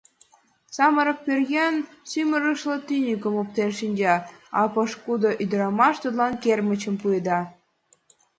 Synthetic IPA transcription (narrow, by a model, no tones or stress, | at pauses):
sɑməɾɤ̆k̚pʲørjænsyməɾəʃlə̆t̪ynʲikə̆mop̚t̪enʃinʲd͡ʑɑɑ̰pɤ̆ʃkud̪oʔyd̪ə̆ɾɑmɑʃt̪ud̪lɑnkermə̆t͡ɕə̆mpued̪ɑ